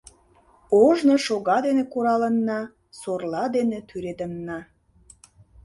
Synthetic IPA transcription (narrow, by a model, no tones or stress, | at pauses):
oʒnoʃoɣɑd̪enekuɾɑlənːɑ | sorlɑd̪enet̪ʰyɾet̪ənːɑ